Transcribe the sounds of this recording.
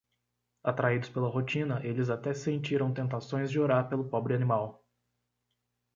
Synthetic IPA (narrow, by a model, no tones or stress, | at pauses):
at̪ɾaid̪ʊspelɐɦot͡ʃĩnɐʔelɪzat̪ɛsẽnt͡ʃiɾɐ̃w̃t̪ẽnt̪asõj̃zd͡ʒɪoɾaɾpelʊpɔbɾɪanimaw